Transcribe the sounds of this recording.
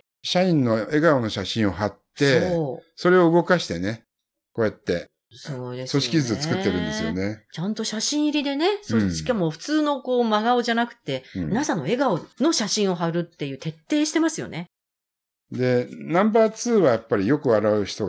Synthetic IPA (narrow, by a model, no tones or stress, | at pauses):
ɕaĩnːo̞e̞ɡaono̞ɕaɕĩɰ̃o̞ɦat̪ːe̞oso̞ɾe̞o̞ɯɡo̞kaɕi̥t̪e̞ne̞ | ko̞ːjat̪ːe̞ | sod̪esso̞ɕi̥kʲizɨoɨ̥kɯ̟t̪ːe̞ɾɯ̃nd̪e̞sɨjo̞net͡ɕãnt̪o̞ɕaɕĩɰ̃iɾʲid̪e̞ne̞soːɕi̥kamo̞ɸɯ̟̥t͡sɨːno̞ko̞ːmaɡao̞ʑanakɯ̟̥t̪ːe̞nasãnːo̞e̞ɡao̞no̞ɕaɕĩɰ̃o̞ɦaɾɯ̟t̪ːe̞jɯ̟ːt̪e̞t̪ːe̞ːɕi̥t̪e̞masɨjo̞̰ne̞ | d̪e̞nãmbaːt͡sɨːβajapːaɾʲijo̞kɯ̟βaɾaɯ̟çi̥t̪o̞